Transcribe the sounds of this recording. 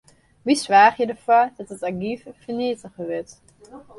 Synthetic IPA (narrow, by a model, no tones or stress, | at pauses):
ʋisʋaːχjədəɹfɔɹdɔtətaɡifəfəɹniətəχəʋɪt